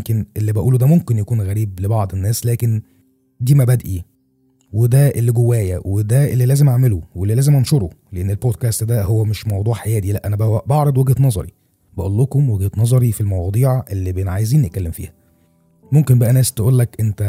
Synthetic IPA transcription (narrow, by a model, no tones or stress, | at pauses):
mkenʔelːibæʔuːlud̪æmomkenjækuːnɣæɾiːblebɑʕd̪ˤenːæːslæːken | d̪iːmæbæd̪ʔi | wed̪æʔelːiɡowːæːjæwed̪æʔelːilæːzemʔaʕmeluwelːilæːzemʔænʃoɾˤoleʔenːelbod̪̚kæːst̪d̪æhowːæmeʃmɑwd̪ˤuːʕħejæːd̪ilæʔænæbæbɑʕɾˤɑd̪ˤwæɡhet̪nɑzˤɑ̰ɾi | bæʔolːokomweɡhet̪nɑzˤɑɾifilmɑwɑd̪ˤiːʕʔelːibenʕajeziːnjet̪̚kælːemfḭːhæ | momkenbæʔænæːst̪eʔuːlːækʔent̪æ